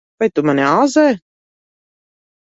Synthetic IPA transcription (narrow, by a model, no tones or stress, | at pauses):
vajt̪umanʲɛaːzɛː